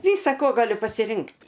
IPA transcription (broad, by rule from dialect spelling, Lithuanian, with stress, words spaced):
ˈʋʲiːsɐ koː ˈɡɑːlʲʊ pɐsʲɪˈrʲɪŋktʲ